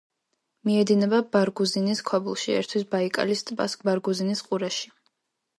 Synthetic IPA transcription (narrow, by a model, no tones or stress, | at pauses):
miɛd̪inɛbabaɾɡuziniskʰwabulˠʃiɛ̰ɾt̪ʰwisbaikʼa̰list̪ʼbʼa̰skʼbaɾɡuzinisqʼuɾaʃi̥